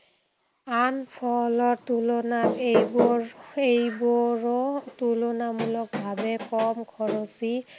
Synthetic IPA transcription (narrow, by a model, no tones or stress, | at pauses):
anpʰɔlɔɹtulɔnatejbɔɹejbɔɹɔtulɔnamulɔk̚bʱabɛkɔmkʰɔɹɔsi